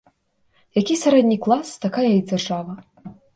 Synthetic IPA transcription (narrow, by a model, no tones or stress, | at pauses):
jakʲisʲaɾɛd̪ʲnʲiklˠast̪akajɐjid͡zʲarʐavɐ